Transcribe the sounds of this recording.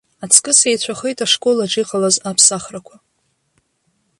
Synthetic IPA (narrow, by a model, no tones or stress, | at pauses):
at͡sʰkʼɨsejt͡ɕʷʰaχejtʼaʂkʼolaʈ͡ʂʼiqʼalazapʰsaχrakʷʰa